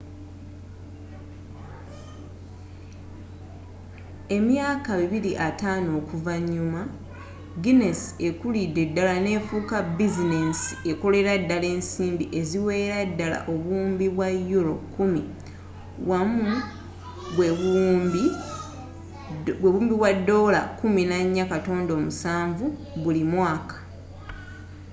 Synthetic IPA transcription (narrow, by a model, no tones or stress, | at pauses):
e̞mjaːkaβiβiɾiʔataːno̞ːkuvaɲːuma | ɡine̞si̥e̞kulide̞dːalane̞ːfuːkabizinesi̥e̞ko̞le̞ɾadːale̞ːnsiːmbiʔe̞ziwe̞ːɾadːala̰ʔo̞βuːmbiβwajːuɾo̞̰kumi | wamu | βweβumbi | weβuːmbiβwadːo̞ːla̰kuminaɲːakato̞ːndo̞ːmusaːɱvu | βulimwaːkḁ